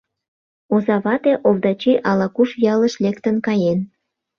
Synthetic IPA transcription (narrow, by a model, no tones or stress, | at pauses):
ozɑβɑt̪eʔovd̪ɑt͡ɕiʔɑlɑkuʃjɑləʃlekt̪ənkɑjen